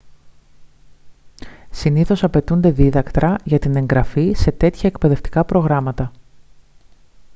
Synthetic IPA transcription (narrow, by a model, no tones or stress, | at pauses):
siniθo̞sɐpe̞t̪und̪e̞ðiðɐkt̪ɾɐʝɐt̪ine̞ŋɡɾɐfise̞t̪e̞t̪çɐekpe̞ðe̞ft̪i̥kɐpɾo̞ɣɾɐmɐt̪ɐ